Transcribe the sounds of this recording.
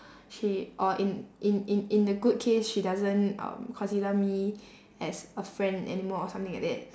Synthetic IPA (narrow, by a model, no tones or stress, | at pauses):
ʃiʔɔʔĩnʔɪ̃nɪ̃nĩndəɡud̚kʰesʃidazə̃nʌ̰̃mkʰɔ̃nsiləmi | ɛsəfɹɛ̃ndɛ̰nimɔɔsãmt̪ɪ̃ŋla̰k̚dɛ̰t̚